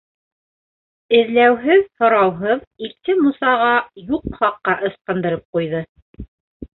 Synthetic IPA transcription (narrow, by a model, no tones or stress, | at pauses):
ɘ̆ðlæwɦɘðhŏɾɑwɦɤðiɾt̪ɘmusɑʁɑjuqχɑqːɑʔɤ̆sqɤ̆nd̪ɤ̆ɾɤp̚qujðɤ